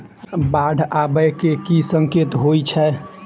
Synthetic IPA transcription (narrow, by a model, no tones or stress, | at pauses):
baɖʱabəjkekisəŋket̪ɦojt͡ʃʰɛ